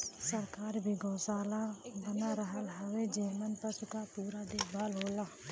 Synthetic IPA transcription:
səɾkaːɾbʱiɡoːsaːlabənaɾəɦəlɦəʋed͡ʒiːmənpəsʊkapuːɾad̪eːkbaːlɦoːlaː

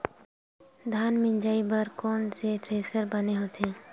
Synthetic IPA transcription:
d̪ʱaːnmɪ̃nd͡ʒaːibəɾkoːnset̪ɾeːsəɾbɐneɦot̪ʰeː

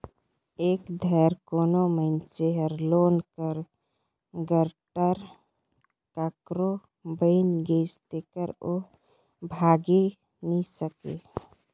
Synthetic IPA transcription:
ekd̪ʱəɾkonoməɪnt͡ʃeɦəɾlonkəɾ | ɡəɾʈəɾ | kakɾo | bəɪnɡest̪ekəɾo | bʱaɡi | nisəkḛ

